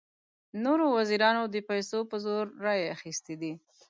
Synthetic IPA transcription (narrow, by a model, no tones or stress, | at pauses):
noɾowaziɾɑnod̪əpajsopəzoɾːɑjaxist̪ed̪i